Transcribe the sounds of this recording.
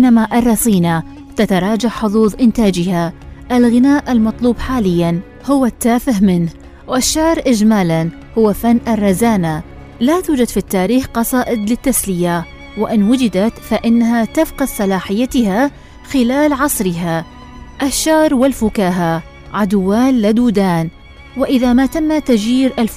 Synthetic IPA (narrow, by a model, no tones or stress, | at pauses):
ɪnːamaʔɑrˤːɑsˤiːna | t̪at̪ɑɾˤɑːd͡ʒaʕħʊðˤuːðˤʔɪnt̪aːd͡ʒɪhaʔalɣɪnaːʔalmɑt̪ˤluːbħaːlɪjːan | hʊwat̪ːaːfɪhmɪnh | wɪʃːɑʕɾˤʔɪd͡ʒmaːlan | hʊwafanːʔarˤːɑzaːna | lat̪uːd͡ʒad̪fit̪ːaːɾiːxqɑsˤɑːʔɪd̪lɪt̪ːaslɪja | wɪʔɪnwʊd͡ʒɪd̪at̪faʔɪnːaɦat̪afqɑðsˤɑlaːħɪjːat̪ɪha | xɪlaːlʕɑsˤɾɪɦa | ʔaʃːɑʕɾˤwɪlfʊkaːɦa | ʕad̪wːaːnlad̪uːd̪aːn | wɪʔɪðamat̪amːat̪ad͡ʒiːɾʔal